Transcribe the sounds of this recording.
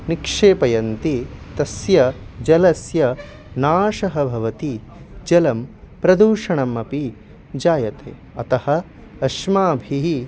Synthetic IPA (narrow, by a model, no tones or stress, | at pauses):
nikʂeːpɐjɐnt̪it̪ɐsjɐd͡ʒɐlɐsjɐ | naːʂɐɦɐbʱɐʋɐt̪i | d͡ʒɐlɐm | pɾɐd̪uːʂɐɳɐmɐpi | d͡ʒaːjɐt̪ḛː | ɐt̪ɐhɐ̆ | ɐʃmaːbʱiɦi